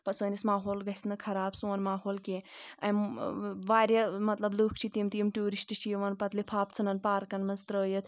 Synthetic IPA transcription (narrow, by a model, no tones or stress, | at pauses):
pɐsəːnismaːɦoːlɡɐsnɨkʰɐɾaːbsõːnmaːɦoːlkẽɐmʋaːɾʲjɐmɐt̪lɐbluːkʰt͡ʃʰit̪iːmt̪iːmʈuːɾisʈit͡ʃʰiːʋɐnpɐt̪lipʰaːp̚t͡sʰɨnɐnpaːɾkɐnmɐnzt̪ɾəːjɐt̪